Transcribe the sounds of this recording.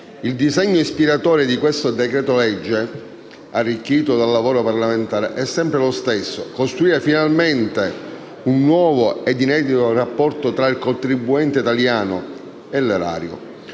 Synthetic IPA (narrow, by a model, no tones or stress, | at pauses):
ild̪izeɲːoispiɾat̪ɔːɾed̪ikwest̪od̪ekɾɛːt̪olɛd͡ʒːe | arːikːiːt̪od̪alːavoːɾoparlament̪aːɾḛʔɛsːɛmpɾelost̪esːokost̪ɾuiːɾefinalment̪e | unːwɔːvoed̪inɛːd̪it̪orapːɔrt̪ot̪ɾailkont̪ɾibːuɛnt̪eit̪aljaːno | elːeɾa̰ːɾjo̰